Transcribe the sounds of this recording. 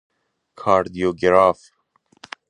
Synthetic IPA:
kʰɑːɾd̪ijoːɡeɾɑːf

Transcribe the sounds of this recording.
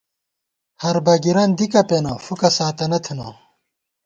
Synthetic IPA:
hɐɾbɐɡiɾɐnd̪ikɐpenɐfukɐsaːt̪ɐnɐt̪ʰunɐ̰

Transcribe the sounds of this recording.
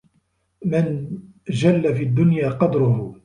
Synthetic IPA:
mɪn | d͡ʒalːafiːad̪ːʊnjaːqɑd̪ɾʊh

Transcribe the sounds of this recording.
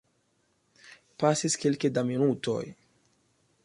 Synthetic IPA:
pasiskilkedaminuto̞̰j

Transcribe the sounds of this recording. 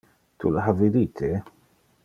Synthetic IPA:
t̪ʰṵlħaviɾiːt̪ʰe

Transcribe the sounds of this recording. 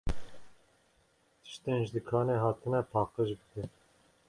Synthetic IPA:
t̪ʰɨ̥ʃt̪enʒd̪ɨkʰɑːneɦɑːt̪ʰɨnɛpʰɑːqəʒbɨkɛn

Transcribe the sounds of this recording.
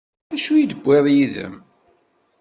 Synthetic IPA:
æʃujid̪əbːeðˤjiðə̰m

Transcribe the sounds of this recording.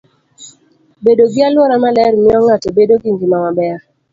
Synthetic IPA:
bedoɡɪalwɔɾamalɛɾmɪɔŋatobedoɡɪŋɡimamabɛa

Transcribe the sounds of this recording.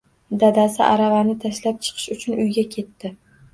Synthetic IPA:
d̪ad̪asɪʔa̰ɾavaɾnɪt̪ʰaʃlap̚t͡ʃʰɨ̥qʰɨ̥ʃʊt͡ʃʰʊnʊjɡʲakʲʰe̞t̪ʰːɪ

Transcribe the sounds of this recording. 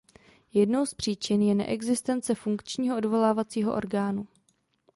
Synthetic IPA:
jɛdno̞wspr̝̥iːt͡ʃɪnjɛnɛ̰ʔɛɡzɪst̪ɛnt͡sɛfuŋkt͡ʃɲiːɦoʔodvo̞laːvat͡siːɦoʔo̞̰ɾɡaːnu

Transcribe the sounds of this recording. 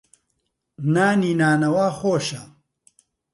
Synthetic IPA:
naːniːnaːnɐwaːxoːʃɐ

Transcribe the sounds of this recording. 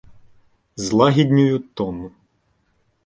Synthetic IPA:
zlˠɑɦʲid̪ʲnʲʊjʊt̪ɔnʊ

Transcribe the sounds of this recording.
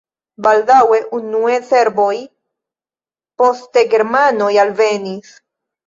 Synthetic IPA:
baldawe̞ʔunuese̞ɾbo̞j | po̞ste̞ɡe̞ɾmano̞jalve̞nis

